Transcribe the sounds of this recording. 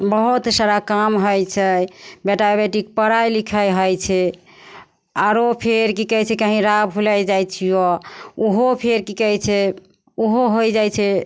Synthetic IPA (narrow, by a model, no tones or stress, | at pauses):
bəɦut̪saɾakamɦəjt͡ʃʰɛbeʈabeʈik̚pəɽajlikʰəjɦəjt͡ʃʰɛ | aɾopʰeɾkikəjt͡ʃʰɛkəɦĩɾabɦulajd͡ʒajt͡ʃʰijouɦopʰeɾkikəjt͡ʃʰɛ | uɦoɦojd͡ʒajt͡ʃʰɛ